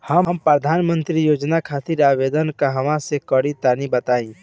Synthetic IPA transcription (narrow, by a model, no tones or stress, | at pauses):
hɐmmpɾəd̪ʱaːnmə̃nt̪ɾijoːd͡ʒnakʰaːt̪iɾaːʋeːd̪ənkaɦɐmãsekəɽit̪aːnibət̪aːĩː